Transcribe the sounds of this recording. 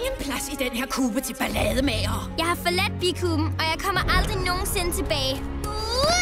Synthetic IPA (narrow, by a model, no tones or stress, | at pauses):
enpʰlæsid̥enheɐ̰kʰuːb̥ət͡sʰe̝lb̥ælɛð̞ˠəmɛːɐjɑ̈ɪhɑ̈fɒlæd̥̚ʋikʰuːb̥m̩ɒ̽jɑ̈ɪkʰɒ̽m̰ɐʔɑ̈ld̥ʁino̝ːn̩se̝nət͡sʰe̝b̥ɛːɪ